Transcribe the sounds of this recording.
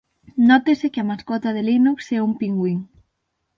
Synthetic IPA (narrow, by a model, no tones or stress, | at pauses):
nɔt̪esekɪɐmaskɔt̪aðelinuksɛumpiŋɡwiŋ